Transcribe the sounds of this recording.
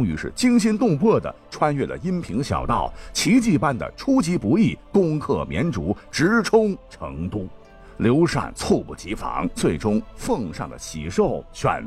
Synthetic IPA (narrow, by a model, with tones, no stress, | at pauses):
ʈ͡ʂʊ˥ŋy̰˧˥ʂɻ̩˥˩t͡ɕi˥ŋɕi˥nt̪ʊ˥˧ŋpʰɔ˥˩d̪ə̰˩ʈ͡ʂʰwa˥nɥɛ˥˩lə̰˩i˥npʰi˧˥ŋɕjɑ̰˨˩ʊt̪ɑ˥˩ʊt͡ɕʰi˧˥t͡ɕi˥˧˩pa˥nd̪ə̰˨ʈ͡ʂʰu˥t͡ɕi˧˥pu˧˥i˥˩kʊ˥ŋkʰɤ˥˩mjɛ̰˧˥nʈ͡ʂu˧˥ʈ͡ʂɻ̩˧˥ʈ͡ʂʰʊ˥ŋʈ͡ʂʰɤ˧˥ŋt̪u˥˩ | ljo˧˥ʊʂa̰˥˩nt͡sʰo˥˧pṵ˨˩t͡ɕi˧˥fɑ̰˧˥ŋt͡swe˥˩ɪʈ͡ʂʊ˥ŋfɤ˥˧ŋʂɑ̰˥˩ŋd̪ə̰˩ɕi˨˩ʂo˥˧ʊɕɥɛ̰˨˩n